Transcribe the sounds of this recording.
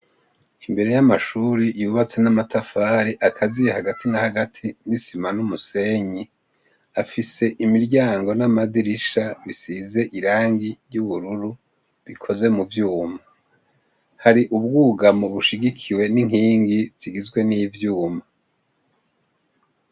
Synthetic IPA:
imbe̞ɾe̞jamaʃuːɾijuːβat͡se̞namatafaːɾiʔakʰazijehaɡatinahaɡatʰinisimanumuse̞ɲi | afise̞ʔimiɾɟaːŋɡo̞namadiɾiʃaβisize̞ʔiɾaːŋɡiɾjuβuɾuɾu | βikʰo̞ze̞muvjuːma | haɾiʔub̚ɡuːɡamo̞βuʃiɡikʰiwe̞niŋ̥hiːŋɡiziɡizɡwe̞niːvjuːma

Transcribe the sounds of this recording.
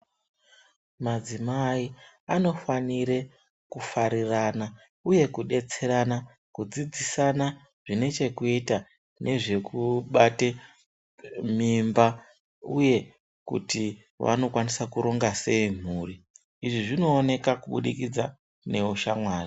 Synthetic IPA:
mad͡zimai | ano̞faniɾe̞ | kufaɾirana | uje̞kuɗe̞t͡se̞ɾana | kud͡zid͡zisana | ʐ̥ine̞t͡ʃe̞kuita | ne̞ʐe̞kʰuɓate | mimba | uje̞ | kṵti | ʋa̰no̞kwanisakuɾo̞ŋɡase̞im̤uːriː | ʐiʐino̞ːne̞kakuɓuɗikid͡za | ne̞uʃamwaːri

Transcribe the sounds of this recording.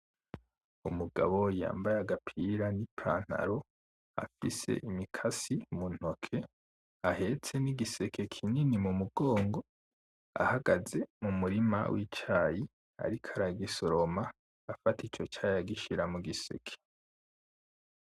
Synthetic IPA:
umuɡa̰βo̞ja̰ːmbajaɡapʰiɾanipʰa̰ːn̥ha̰ɾo̞ | a̰fise̞̰ʔimikʰasimun̥hokʰe̞ | ahe̞t͡se̞niɡise̞kʰe̞kʰininimumuɡoːŋɡo̞ | a̰haɡaze̞mumuɾima̰wit͡ʃaji | a̰ɾikʰaɾaɡiso̞ɾomaː | fatit͡ʃo̞t͡ʃaːjaɡiʃiɾamuɡise̞̰kʰe̥

